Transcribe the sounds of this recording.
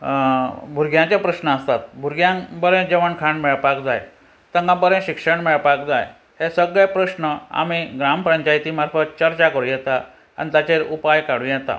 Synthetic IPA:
bʱuɾɡjãt͡ɕjapɾəɕnəəst̪at̪̚bʱuɾɡjãbəɾẽd͡ʑeʋəɳkʰãɳɖmɛɭpakd͡zaj | t̪ə̃ŋɡãbəɾẽɕikʂəɳmɛɭpak̚d͡zaj | hesəɡɭjpɾəɕnəa̰miɡɾampɾəɲt͡ɕajt̪iːmaɾfʰət̪̚t͡ɕəɾt͡ɕakəɾujɛt̪a | a̰nit̪at͡ɕeɾupajkaɽ̤ũjɛt̪a̰

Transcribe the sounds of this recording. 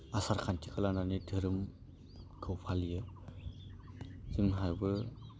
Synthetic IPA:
asaɾkʰantʰikalananidʱɯɾɯm | ɡʰɯwpʰalijɯ | z̥ɯmɦajbɯ

